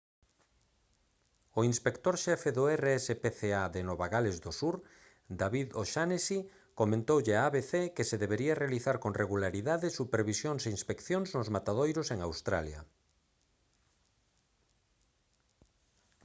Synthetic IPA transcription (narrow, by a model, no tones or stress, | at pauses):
oinspekt̪oɾʃɛfeðoɛreɛsepeθeaðenoβaɣalezðosuɾ | d̪aβiðoʃanesi | komẽnt̪owʎeaaβeθekeseðeβeɾiarealiθaɾkoŋrʔeɣulaɾiðaðɪsupeɾβisjoŋseinspekθjoŋznozmat̪að̞ojɾoseŋawst̪ɾa̰lja̰